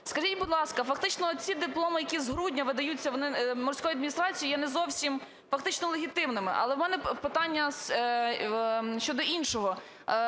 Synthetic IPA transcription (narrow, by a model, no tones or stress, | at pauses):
skɐʒitʲbʊd̪lˠɑskɐfɐkt̪ɪt͡ʃnɔt͡sʲid̪ɪplˠɔmɪjɐkʲizɦɾudʲnʲɐʋɪd̪ɐjut͡sʲːɐʋɔnɪmɔrʲsʲkɔjuɐd̪mʲinʲist̪ɾɑt͡sʲijijɛnɛzɔwsʲim | fɐkt̪ɪt͡ʃnɔlˠeɦʲit̪ɪmnɪmɪ̰ʔɐ̰lˠɛwmɛnɛpɪt̪ɑnʲːɐs | ʃt͡ʃɔd̪ɔʔinʃɔɦɔ